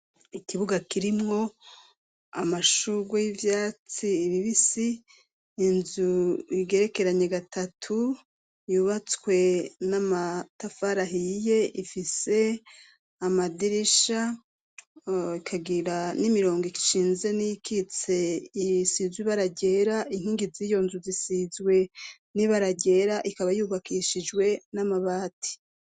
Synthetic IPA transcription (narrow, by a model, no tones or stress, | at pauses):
ikiβuɡakiɾimŋo̞ | amaʃuɡwejivjaːt͡siːβiβisiː | nzuiɡe̞ɾe̞ke̞ɾaɲe̞ɡatatʰu | juβat͡swe̞namatafaɾaɦije̞ʔifise̞ | amadiɾiʃa | ikʰaɡiɾanimiɾo̞ːŋɡoiki̥ʃiːnze̞nikʰit͡se̞isizwiβaɾaɟe̞ːɾain̥hiːŋɡizijo̞ːnzuzisizɡwe̞ | niβaɾaɟe̞ɾaʔikaβajuːβakʰiʃid͡ʒwe̞namaβaːtʰi̥